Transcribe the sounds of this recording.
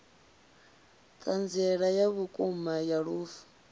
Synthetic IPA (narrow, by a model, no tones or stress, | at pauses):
kʼand͡zɛɺajaβukʼumajaɺuːfu̥